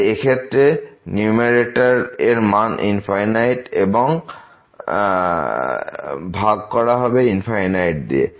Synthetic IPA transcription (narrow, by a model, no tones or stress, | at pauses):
ekʰet̪ːɾenumeɾeʈaɾeɾmanʔḭnpʰajnajʈebɔŋ | bʱaɡ̚kɔɾaɦɔbeinpʰajnajʈd̪ḭḛ